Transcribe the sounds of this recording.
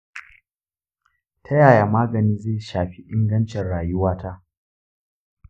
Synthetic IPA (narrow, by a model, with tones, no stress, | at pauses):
tʰa˦jaː˨ja˨maː˦ɡɐ˨niː˦zeː˦˨ʃaː˨ɸi˦ʔɪ˦ŋɡɐ˦nt͡ʃɛ˨nɽaː˨jʊ˦waː˦ta˦ʔ